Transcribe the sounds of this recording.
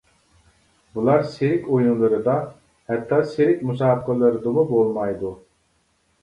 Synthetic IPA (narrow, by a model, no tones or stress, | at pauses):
bulˠɑɾseɾɪkʲojnulˠɨɾɨd̪ɑ | hɛt̪ʰːɑseɾɪkʲmusɑːbəqəlˠɨɾɨd̪ɨmubolˠmɑjd̪u